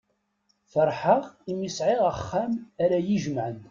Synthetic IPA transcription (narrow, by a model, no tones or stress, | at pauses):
fəɾˤħəʁimisʕɪʁəχːæmaɾæjiʒmʕən